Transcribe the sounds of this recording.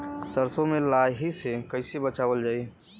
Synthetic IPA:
səɾsõmelajɦisekəɪsebət͡ʃaːbəld͡ʒaːi

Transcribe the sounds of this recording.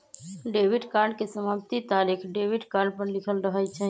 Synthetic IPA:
ɖeʋiɖkaɾɖkesəmapt̪it̪aːɾikʰɖeʋiɖkaɾɖpəɾlikʰəlɾəɦɛt͡ʃʰɛ

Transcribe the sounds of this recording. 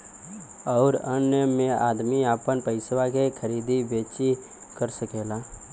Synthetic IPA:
ɔːɾənjəmẽa̰ːd̪miaːpənpəɪswakekʰəɾiːd̪ʱibeːt͡ʃi | kəɾsəkeːlaː

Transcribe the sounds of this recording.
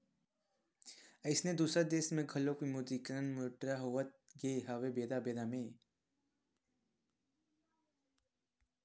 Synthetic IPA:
əɪsned̪uːsɾad̪eːsmẽɡʱəlokimuːd̪iːkəɾənmoʈɾaɦoːʋət̪̚ɡeːɦaːʋebeːd̪abeːd̪amẽː

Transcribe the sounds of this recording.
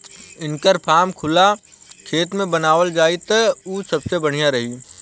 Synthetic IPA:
ɪnkəɾpʰaːmkʰʊla | kʰeːt̪mẽbənaːʋəld͡ʒaːit̪əuːsɐbsebɐɽ̤ijaɾɐɦi

